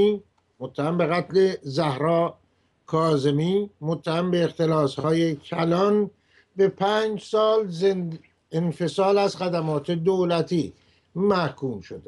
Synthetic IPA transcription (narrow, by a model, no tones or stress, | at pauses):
i | mot̪ʰːæhæmbe̞ɣæt̪le̞zæhɾɒː | kʰɒːze̞miːmot̪ʰːæhæmbe̞ːxt̪e̞lɒːshɒːje̞cʰælɒn | be̞pʰæːnd͡ʒsɒːlzen | enfe̞sɒːlæzxæd̪æmɒːt̪ʰe̞d̪olæt̪ʰiː | mæhkuːmʃod̪e